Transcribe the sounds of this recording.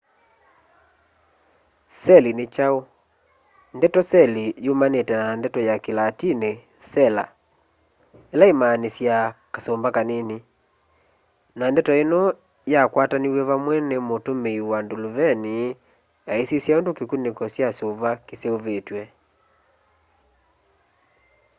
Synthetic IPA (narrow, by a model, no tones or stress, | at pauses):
sɛlinet͡ʃao | ndɛtɔsɛlijomanetɛnandɛtɔjakelatine | sɛla̰ | elaemanesjakasombakaneni | nandɛtɔenɔ | jakwataniwɛβamwɛnemotomeiwandolovɛni | jaesisjaondokekunekɔsjasoβakeseoβetwɛ